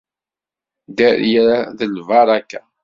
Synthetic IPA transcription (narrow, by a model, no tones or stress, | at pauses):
d̪æɾjæðəlvɑɾˤɑkːa